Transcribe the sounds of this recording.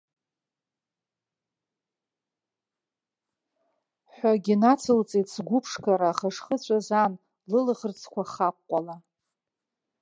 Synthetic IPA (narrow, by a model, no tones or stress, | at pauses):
ħʷᶣaɡʲinat͡sʰɨlt͡sʼitsɡʷʊpʰʂkʰaɾaχəʂχət͡ɕʷʰazan | lɨlʁərt͡sʰkʷaχaqʷʼːala